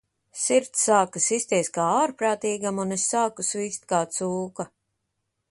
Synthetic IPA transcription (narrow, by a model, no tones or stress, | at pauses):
siɾt̪sːaːkasisʲt̪iɛskaːaːɾpɾaːt̪iːɡamunesːaːkusviːst̪̚kaːt̪suːka